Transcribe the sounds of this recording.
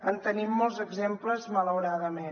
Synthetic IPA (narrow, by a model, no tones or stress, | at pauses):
ənt̪ənimːɔlˠzəɡzempləzmələwɾaðəme